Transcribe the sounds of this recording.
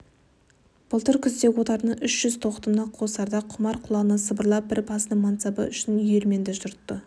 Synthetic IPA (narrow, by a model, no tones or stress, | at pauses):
b̥əlˠt̪əɾkʲʰʏzd̪ekʲwo̞t̪ɑɾnəʏʃʒ̥ʏzt̪ʰo̞qt̪əmnɑqʰo̞sɑɾd̪ɑqʰʊmɑɾqʰʊlˠɑnəsəbəɾlˠɑp̚bɪɾbɑsənəŋmɑnt̪sɑbə̰ʏʃɪnʏjeɾme̞nd̪ɪʒʊɾt̪ːə